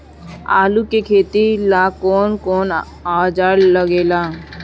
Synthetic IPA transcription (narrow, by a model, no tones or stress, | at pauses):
a̰ːlukekʰeːt̪ilaːkoːnkoːn | aːd͡ʒaːɽləɡeːlaː